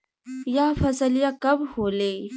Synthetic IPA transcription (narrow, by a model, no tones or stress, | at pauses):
jafəsəljakəbhole